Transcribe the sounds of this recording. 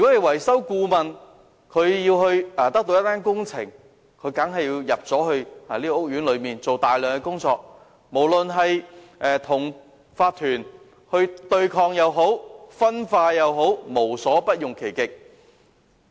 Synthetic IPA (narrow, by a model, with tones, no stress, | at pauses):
y˨˩kɔ˨˥le˨jwɐ˨˩jsɐ˥wkuː˧mɐ˨n | kʰɵ˨˧ɥjiː˧wɦɵ˧ɥaː˧t̪ɐ˥k̚t̪o˧wjɐ˥t̪aː˥nkʊ˥ŋt͡sʰɪ˨˩ŋ | kʰɵ˨˧ɥkɐ˨˥ŋɦɐ˨jiː˧wjɐ˨p̚t͡sɔː˨˥hɵ˧ɥhaː˨˩liː˥kɔː˧˥ʊ˥k̚jyː˨˥nlɵ˨˧ɥmiː˨nt͡so˨wt̪aː˨jlœː˨˩ŋkɛ˧kʊ˥ŋt͡sɔː˧k̚ | mo˨˩wlɵ˨nɦɐ˨j | ʔɛː˨˩t̪ʰʊ˨˩ŋ | faː˧t̚t̪ʰyː˨˩n | hɵ˧ɥt̪ɵ˧ɥkʰɔː˧ŋjɐ˨˧wɦo˨˥wfɐ˥nfaː˧jɐ˨˧wɦo˨˥wmo˨˩wsɔː˨˥pɐ˥t̚jʊ˨ŋkʰe˨˩jkɪ˨k̚